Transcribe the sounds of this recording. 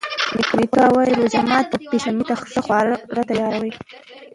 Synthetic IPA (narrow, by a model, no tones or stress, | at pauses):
mɪknikawajɾozamɑt̪piʃamit̪axsəxwɑɾɾat̪ajɑɾawəj